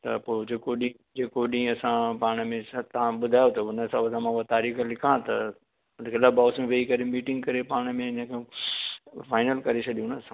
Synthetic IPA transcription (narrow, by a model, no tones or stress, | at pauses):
t̪ɐpoːd͡ʑeːkoɗĩ | d͡ʑeːkoɗĩːɐsãpaːɽ̃əmẽst̪ɐãɓʊd̪ʱaːjot̪ɐʊnəsãʋɐd̪ʱãmãat̪aːɾiːxəlɪkʰãt̪ɐ | ʊnkʰelabaːʊsmẽʋeikɐɾemiːʈɪ̃ŋɡkɐɾepaːɽ̃mẽɲãke | faːɪnəlkɐɾet͡ɕʰɐɗijũnɐsã